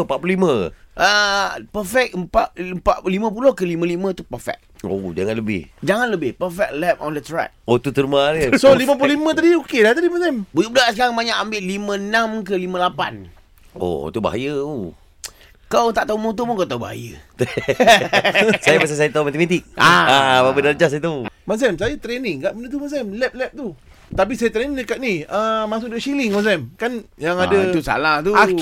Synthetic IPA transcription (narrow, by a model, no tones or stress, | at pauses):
mpaʔpululimə̃ʔəpəfɛk̚əmpaʔəmpaʔlimə̃p̬ulohkəlimə̃limə̃t̪upəfɛ̰k̚od͡ʒaŋanləbɪ̰hd͡ʒaŋanləbɪhpəfɛk̚lɛp̚ɔ̰ndət̪ɾa̰t̪̚ot̪ut̪əɾmanəsolimə̃p̬ululimə̃t̪adiokelaht̪adimətambud͡ʒubədaʔsəkaɾaŋbaɲakambɪʔlimə̃nãmkəlimə̃lapa̰n | o̰t̪uba̰ɦa̰jə | kawt̪aʔt̪aumot̪upunkawt̪auba̰ɦa̰jət̪ | sajamas̬asajət̪aumat̪əmat̪ik̚aababədaləd͡ʒasajət̪aumas̬ɛmsajat̪ɾenɪŋɡaʔbənət̪̬umas̬ɛmlɛp̚lɛp̚t̪u | t̪ap̬isajət̪ɾenĩŋdəkat̪̚niəmas̬ʊk̚dəʔʃilɪŋmas̬ɛmkanjaŋadat̪usa̰laht̪u